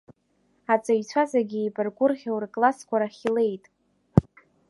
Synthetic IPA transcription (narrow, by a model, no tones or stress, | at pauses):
at͡sʼaɥt͡sʷʰazaɡʲiepʼɨrɡʷʼʊrχʲawrkʼlaskʷʰaɾaχʲile̞jtʼ